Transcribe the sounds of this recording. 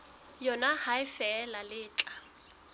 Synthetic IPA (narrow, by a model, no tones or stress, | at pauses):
jɔnahaɪfɛːlalɪːt͡ɬʼa